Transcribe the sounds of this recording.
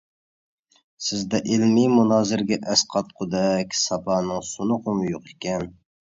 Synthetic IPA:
sɪzd̪ɛʔɪlmimunɑːzɪɾɡʲɛʔɛsqʰɑt̪̚qʰʊd̪ɛkʲsɑpɑːnɨŋsunʊqʊmɨjoqekʲɛn

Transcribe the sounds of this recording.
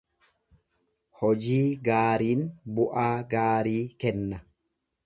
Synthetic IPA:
hɔd͡ʒiːɡaːɾiːnbʊʔaːɡaːɾiːkɛnːɐ

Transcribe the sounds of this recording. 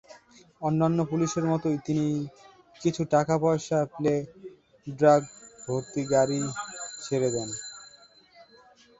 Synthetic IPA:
ɔnːanːopuliʃeɾmɔt̪ojt̪ini | kit͡ɕʰuʈakapɔeʃaple | ɖɾaɡ̚bʱoɾt̪iɡaɾit͡ɕʰeɾed̪ɛn

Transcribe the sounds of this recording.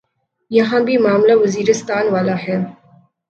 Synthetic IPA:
jɐɦãːbimaːmlawɐziːɾɪst̪aːnwaːlaːheː

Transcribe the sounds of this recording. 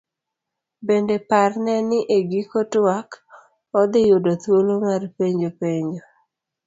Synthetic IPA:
bendeparnɛnɪʔeɡikotwak | ɔd̪ɪjʊdot̪wolomarpeɲd͡ʒopeɲd͡ʒo

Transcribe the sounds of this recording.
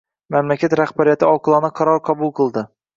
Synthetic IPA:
mamlakʲʰat̪ɾaχbaɾijat̪ɪɒqɨlˠɑnɪqʰɑɾɒɾqʰɑbʊlˠqʰɨlˠd̪ɪ

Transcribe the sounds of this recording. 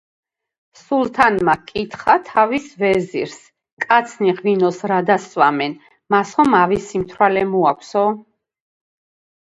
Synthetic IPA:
sulˠt̪ʰanmakʼit̪ʰχat̪ʰavisvɛzḭɾs | kʼat̪sʰniʁvinɔsɾad̪aswamɛn | masχɔmavisimt̪ʰɾalɛmuakʷʰsɔ

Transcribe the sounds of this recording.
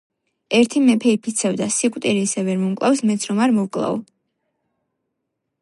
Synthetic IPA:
ɛɾt̪ʰimɛpʰɛipʰit̪sʰɛvd̪asikʼt̪ʼiɾiːsɛvɛɾmɔmkʼlˠafsmɛt̪sʰɾɔmaɾmɔwkʼlˠa̰v̰

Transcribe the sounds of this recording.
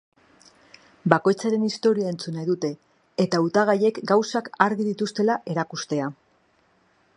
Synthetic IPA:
bako̞jt͡saɾe̞nist̪o̞ɾiae̞nt͡sunajðut̪e̞ː | t̪aut̪aɣ̞aje̞kɡawsakaɾɣiðit̪ust̪e̞laʔe̞ɾakust̪e̞a

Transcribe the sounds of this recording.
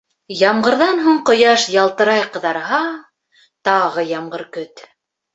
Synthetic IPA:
jɑɴɢɤ̆ɾðɑnɦuɴqŏjɑʃjɑlˠt̪ɤ̆ɾɑjqɤ̆ðɑɾɦɑ | t̪ɑʁɤjɑɴɢɤɾkɵt̪

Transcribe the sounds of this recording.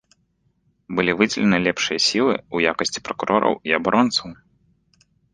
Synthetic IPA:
bɨlʲivɨd͡zʲɪlʲɛnɨlʲɛpʂɨjɐsʲilˠɨ̰ujakɐsʲt͡sʲi̥pɾɐkuɾʔɔɾʔɐ̰wiɐbaɾʔɔnt̪sɐw

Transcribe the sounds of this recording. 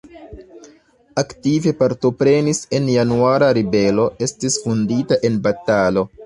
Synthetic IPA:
aktive̞paɾto̞pɾe̞nise̞njanuaɾaɾibe̞lo̞e̞stisfunditaʔe̞nbatalo̞

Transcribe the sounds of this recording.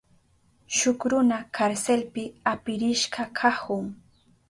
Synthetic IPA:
ʃʊkɾʊnakʰaɾselpɪapɪɾɪʃɢakʰahʊŋ

